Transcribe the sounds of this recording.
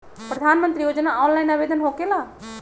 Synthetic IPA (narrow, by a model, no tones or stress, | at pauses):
pɾəd̪ʱaːnmə̃nt̪ɾijoːd͡ʒnaɔːnlaːinaːʋeːd̪ənɦoːkelaː